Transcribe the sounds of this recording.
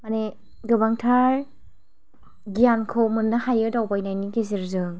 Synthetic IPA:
mane | ɡɯbaŋtʰaɾ | ɡijankʰɔmɯnːahajɯdawbajnajniɡeziɾzɯŋ

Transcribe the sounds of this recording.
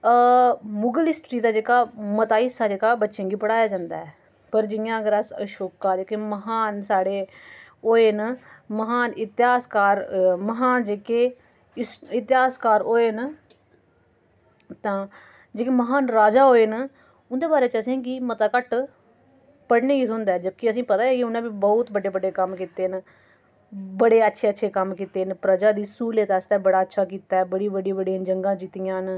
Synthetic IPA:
mʊɡəlɪsʈɾiːd̪aːd͡ʒeːkaːmət̪aːɪsaːd͡ʒeːkaːbətːʃẽːɡiːpəɽaːjaːd͡ʒãːnd̪a̰ːɛː | pəɾd͡ʒɪjãːɡəɾasə̰ʃoːkːaːd͡ʒeːkeːməɦaːnsaːɽeːoːeːnməɦaːnɪt̪ɪɦaːskaːɾməɦaːnd͡ʒeːkeː | sɪt̪ɪɦaːskaːɾoːeːn | t̪ãː | d͡ʒeːkeːməɦaːnɾaːd͡ʒaːɦoːeːn | ʊnd̪eːbaːɾeːt͡ʃəsĩːɡiːmət̪aːkəʈ | pəɽneːɡiːsʊnd̪aɛːd͡ʒəb̚kɪəs̬ĩːpət̪aːeːkɪʊnãːbiːbɔːt̪bəɖeːbəɖeːkəmkiːt̪eːn | bəɽeːətːʃʰeːətːʃʰeːkəmkiːt̪eːnpɾəd͡ʒaːd̪iːsuːleːt̪aːst̪ɛːbəɽaːətːʃʰaːkiːt̪aːɛːbəɽiːbəɽiːbəɽijãːd͡ʒəŋɡãːd͡ʒɪt̪ɪjãːn

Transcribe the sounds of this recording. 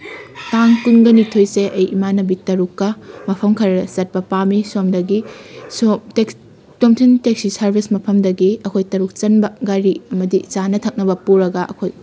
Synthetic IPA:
taŋkuŋɡɐnitʰojseʔɐjʔimanɐbitɐɾukːɐmɐpʰɐmkʰɐɾɐsɐt̚pɐpamisomdɐɡisteks | komtʰintek̚sisɐɾbʱismɐpʰɐmdɐɡiɐkʰojtɐɾuk̚t͡ʃɐnbɐɡajɾiɐmɐdit͡ʃanɐtʰɐk̚nɐbɐpuɾɐɡɐʔɐ̰kʰoj

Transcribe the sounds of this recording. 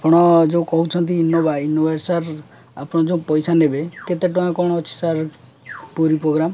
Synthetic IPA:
apɔɽ̃ɔd͡ʒeũkɔɦut͡ʃʰɔnt̪iːnːobainobeɾsaɾ | apɔɽ̃ɔd͡ʒeũpɔjsanebeket̪eʈɔj̃kɔɽ̃ɔːt͡ʃʰi̥saɾ | poɾipɾoɡɾam

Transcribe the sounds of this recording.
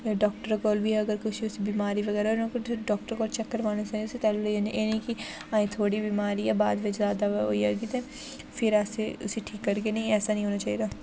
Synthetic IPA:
ɖɔːkʈəɾɡɔːlbʱiɦɛɐɡəɾkʊt͡ʃʰiʊsebiːmaːɾiʋɐɣɛːɾaɛɾnãkɖɔːk̚ʈəɾɡɔːlt͡ʃɛkːəɾʋaːnɐsaʊset̪ɛːllːẽːnjenɐĩkiãːĩt̪ʰoːɽibiːmaːɾiɛbaːd̪ʋɪt͡ʃzjaːd̪aoiɐɡit̪ẽː | fɪɾaːseʊseʈʰiːkːɐɾkenɐɦĩɛːsanɐ̃ɦĩɦoːnat͡ʃaːɦid̪aː

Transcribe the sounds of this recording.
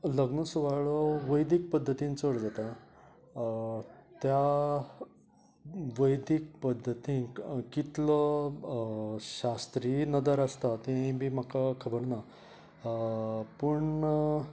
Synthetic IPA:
ləɡnəsuʋaɭɔʋəjd̪ik̚pəd̪ʱːət̪ĩnt͡səɽd͡zat̪a | t̪ja | ʋəjd̪ik̚pəd̪ʱːət̪ĩkit̪lɔ | ɕast̪ɾinəd̪əɾast̪at̪ẽbʱiːm̤akakʰəbəɾna | pəɳ

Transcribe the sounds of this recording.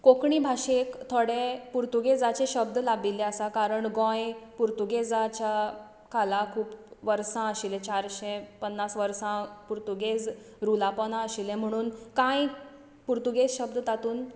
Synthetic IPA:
kokɳibʱaɕekt̪ʰoɽepuɾt̪uɡed͡zat͡ɕeɕəb̚d̪labilɛəsakaɾəɳɡɔ̃jpuɾt̪uɡed͡zat͡ɕa | kalakʰuːpʋəɾsãəɕilɛ̃t͡ɕaɾɕẽpənːasʋəɾsãpuɾt̪uɡed͡z | ɾulapɔnaəɕilɛ̃m̤əɽ̃uːnkãj | puɾt̪uɡed͡zɕəb̚d̪t̪at̪uːn

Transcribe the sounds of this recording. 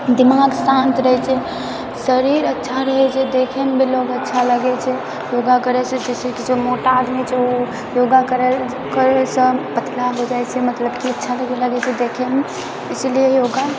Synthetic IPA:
d̪imaɡsãnt̪ɾəɦɛt͡ʃʰɛ | səɾiɾətːʃʰaɾəɦɛt͡ʃʰɛd̪ekʰemebiloɡətːʃʰaləɡɛt͡ʃʰɛ | joɡakəɾɛsə̃d͡ʒɛsẽkid͡ʒemoʈaːd̪mit͡ʃʰeo | joɡakəɾel | kəɾesə̃pət̪ʰlaɦod͡ʒajt͡ʃʰɛmət̪ləbkiətːʃʰaləɡeləɡɛt͡ʃʰɛd̪ekʰeme | isliejoɡa

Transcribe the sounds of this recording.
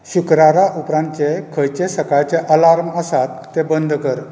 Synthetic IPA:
ɕukɾaɾaʔupɾãnt͡ɕekʰəjt͡ɕesəkajt͡ɕeʔəlaɾməsat̪ːebənd̪ʱkəɾ

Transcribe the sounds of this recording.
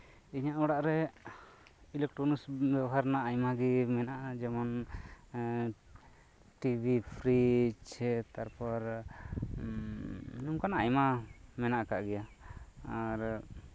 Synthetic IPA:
iɲaʔɔɽaʔɾɛ | ilɛk̚ʈɾɔnusbjɛbɔɦaɾnaʔːjmaɡimɛnaʔad͡ʒɛmɔn | ʈibʱipʰɾit͡ʃʰɛt̪aɾpɔɾ | numkanaʔajmamɛnaʔkaʔɡɛjaaɾ

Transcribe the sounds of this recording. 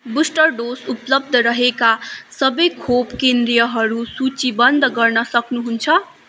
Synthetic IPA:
busʈʌrɖosuplʌb̚d̪ʱʌɾʌɦekasʌbʌjkʰopkend̪ɾijʌɦʌɾusut͡sibʌnd̪ʱɡʌrnʌsʌknuɦunt͡sʰʌ

